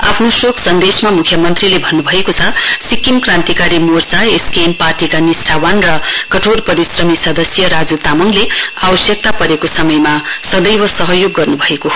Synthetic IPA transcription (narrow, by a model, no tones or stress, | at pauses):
a̰pʰnosokʰsʌnd̪esmamukʰjʌmʌnt̪rilebʱʌnːubʱʌekot͡sʰʌsikimkrant̪ikaɾimort͡saeskenparʈikanisʈʰawanrʌkʌʈʰorpʌɾisrʌmisʌd̪ʌsjʌɾad͡zut̪amʌŋleabʌsjʌk̚t̪apʌɾekosʌmʌjmasʌd̪ʌjwʌsʌɦʌjoɡːʌrnubʱʌekoɦo